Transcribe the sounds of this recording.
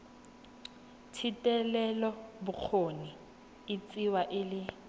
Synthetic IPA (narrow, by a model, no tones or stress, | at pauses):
tʰitʼɛlɛlɔbʊk͡xʰoni | ɪt͡sʼiwaʔɪlɪ